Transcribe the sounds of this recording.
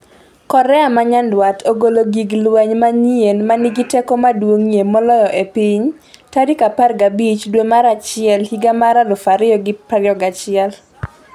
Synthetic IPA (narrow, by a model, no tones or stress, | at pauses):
kɔɾɛamaɲandwatʰoɡoloɡiɡlwɛɲmaɲienmanɪɡɪtɛkɔmadwoŋjemɔlɔjɔʔepiɲ | tadikaparɡabit͡ʃdwemaɾat͡ʃɪɛlhiɡamaɾalʊfaɾɪɔɡɪpaɾɪɔɡat͡ʃɪɛl